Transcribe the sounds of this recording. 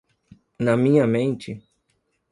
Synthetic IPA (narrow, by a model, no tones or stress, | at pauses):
nɐmĩɲɐmẽnt͡ʃɪ